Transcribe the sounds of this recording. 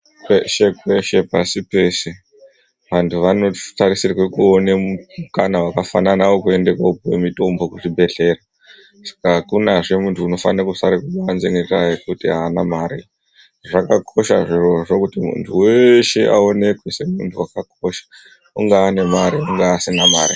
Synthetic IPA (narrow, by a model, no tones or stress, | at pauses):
peʃekwe̞ʃe̞pasipe̞se | ʋantʰuʋano̞tarisirwe̞kuoneukanawakafananaʋo̞kue̞nde̞kwaupwḛmito̞mbo̞kuʐibʱe̞ɬe̞ra | sḁkakunaʐe̞muntʰuːno̞fanakusaɾikuɓaːnzeŋɡekajekutiɦaːnamaɾi | ʐakakʰo̞ʃa̰ʐiroʐokutimṵntʰuweʃe̞ʔa̰o̞ne̞kwese̞muntʰuwakakoʃḁ | uŋɡaːne̞maɾiuŋɡaːsinama̰ːɾi